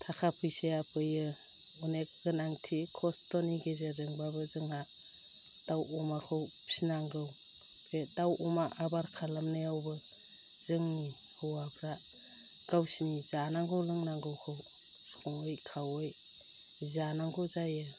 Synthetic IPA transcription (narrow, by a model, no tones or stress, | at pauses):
tʰakʰapʰɯjsejapʰɯjɯ | unekɡɯnaŋtʰikʰɔstɔniɡezezɯŋbabɯzɯŋa | d̥awumakʰɯwpʰi̥inaŋɡɯw | pʰedawumaʔabaɾkʰalamnejawbɯ | zɯŋni | hɯwapʰɾa | ɡ̥awsinizanaŋɡɯwlɯŋnaŋɡɯwkʰɯw | sɔŋɯjkʰawɯj | zanaŋɡɯwzajɯ